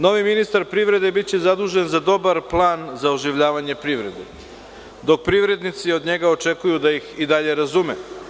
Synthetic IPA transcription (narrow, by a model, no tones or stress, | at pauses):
no̞ʋiminist̪aɾpɾivɾe̞d̪e̞bit̪t͡ɕezad̪uːʒe̞nzad̪o̞baɾplˠaːnzaoʒiʋʎaːʋaɲe̞pɾiʋɾe̞d̪ḛ | d̪o̞k̚pɾiʋɾe̞d̪nit̪sio̞d̪ɲe̞ɡaot͡ʃekujud̪ajixid̪aʎe̞ɾazume